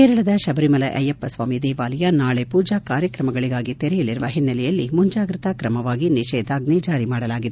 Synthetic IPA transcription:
keːɾɐɭɐd̪ɐʃɐbɐɾimɐlɐʔɐ̰jɐpːɐsʋaːmid̪eːʋaːlɐjanaːɭepuːd͡ʒaːkaːɾjɐkɾɐmɐɡɐɭiɡaːɡit̪eɾɛjɐliɾuʋɐɦinːɐlɛjɐlːimuɲd͡ʒaːɡɾit̪akɾɐmɐʋaːɡiniʃɛːd̪aːɡnɛːd͡ʒaːɾimaːɽɐlaːɡid̪e

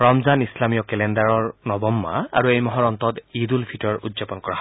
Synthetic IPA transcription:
ɹɔmzanislamijɔkɛlɛndaɹɔɹnɔbɔmːa̰a̰ɹuejmɔɦɔɹɔnt̪ɔtidulpʰitɔɹudzapɔnkɔɹaɦ

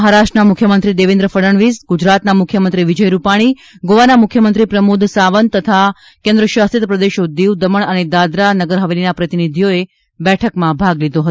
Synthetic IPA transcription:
ɦaɾaʃʈnamʊkʰjəmənt̪ɾid̪eʋẽnd̪ɾəfəɾəɳʋizɡud͡ʒɾat̪namʊkʰjəmənt̪ɾiʋid͡ʒəjɾupaɽ̃i | ɡoʋanamʊkʰjəmənt̪ɾipɾəmud̪ʱsaʋənt̪ət̪ʰa | kẽnd̪ɾəʃast̪it̪pɾəd̪eʃod̪iʋd̪əməɳ̃əned̪ad̪ɾanəɡəɾɦəʋelinapɾət̪inid̪ʱijoe | bɛʈʰəkmãbʱaɡlid̪oɦət̪o

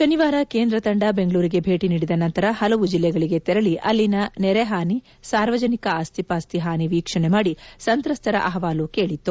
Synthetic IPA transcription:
ʃɐniʋaːɾɐke̞ːnd̪ɾɐt̪ɐɳɖɐbe̞ŋɡɐɭuːɾiɡe̞bʱe̞ːʈiniːɽid̪ɐnɐnt̪ɐɾɐhɐlɐʋud͡ʒilːɛɡɐɭiɡe̞t̪ɛɾɐliʔɐlːinɐnɛɾeɦaːni | saːɾʋɐd͡ʒɐnikɐaːst̪ʰipaːst̪iɦaːniʋiːkʂɐɳemaːɽisɐnt̪ɾɐst̪ɐɾɐ̰ʔɐɦɐʋaːluke̞ːɭit̪ːu

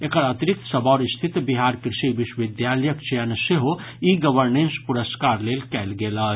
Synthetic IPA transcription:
ekəɾɐt̪iɾik̚t̪səbɔːɾist̪ʰit̪biɦaːɾkɾɪʃiʋiʃwʋid̪jaljəkt͡ʃejənseɦo | iɡəʋəɾnenspuɾəskaːɾlelkɛːlɡelə

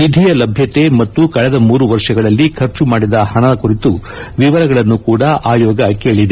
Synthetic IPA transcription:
ʋid̪ʱijɐlɐbʱjɐt̪e̞mɐt̪ːukɐɭɛd̪ɐmuːɾuʋɐɾʂɐɡɐɭɐlːikʰɐɾt͡ʃumaːɽid̪ɐhɐɳɐkuɾit̪u | ʋiʋɐɾɐɡɐɭɐnːukuːɽɐʔaːjɔːɡɐkeːɭid̪e

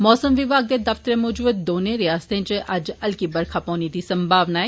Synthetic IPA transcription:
mɔːsəmʋɪbaːɡ̚d̪ed̪ɐft̪əɾemɔːd͡ʒuːt̪̚d̪oːnẽɾɪjaːst̪ẽt͡ʃeʔɐd͡ʒɐlkibɐɾkʰapɔːnid̪isɐmbʱaːʋnaɛ

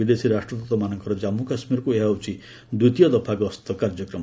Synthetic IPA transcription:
id̪esiɾasʈrɔt̪ɔt̪ɔmanɔŋkɔɾɔd͡ʒamːukasmiɾkueɦawt͡ʃʰi | d̪ut̪ijɔd̪ɔpʰaɡɔst̪ɔkaɾd͡ʒɔkɾɔm

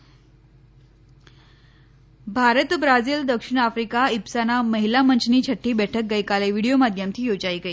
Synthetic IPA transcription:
bʱaɾət̪bɾad͡ziːld̪əkʂiɳ̃afɾikaipsanaməɦilamənt͡ɕniːt͡ɕʰəʈʰːiːbɛʈʰək̚ɡəjkaleʋiɽijomad̪ʱjamt̪ʰiːjod͡ʑaiɡəi

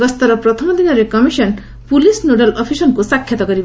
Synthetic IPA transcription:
ʌst̪ʌɾʌpɾʌt̪ʰʌmʌd̪inʌɾekʌmisʌn | pulisnoɖalɔpʰisʌnkusakʰːjʌt̪ɔɡʌɾib

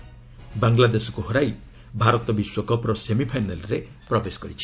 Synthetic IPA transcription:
baŋɡlad̪esɔkuɦɔɾaj | bʱaɾɔt̪ɔbiswɔkɔpɾɔsemipʰajnalɔɾe | pɾɔbesɔ̥kɔɾit͡ʃʰi̥

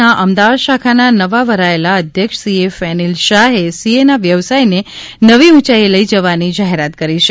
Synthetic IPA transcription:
aʔəmd̪aʋad̪ʃakʰananəʋaʋəɾaelaəd̪ʱjəkʃəsiefɛnilʃaɦesienaʋjəʋsajne | nəʋiũt͡ʃajeləid͡ʒəʋanid͡ʒaɦeɾat̪kəɾiʃ

